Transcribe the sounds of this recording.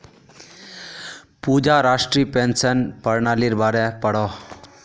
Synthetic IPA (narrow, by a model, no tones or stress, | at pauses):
pud͡ʒaɾaʂʈɾiːpensənpəɾɳaːliɾbaːɾɛpəɽɔ